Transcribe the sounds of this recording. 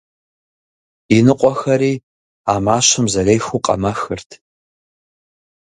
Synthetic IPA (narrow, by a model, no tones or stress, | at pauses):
inɨqʷʼɔxɐɾiː | aːmaːɕɪmzɐleːjxuqʼɐ̰mɐxɨrtʰ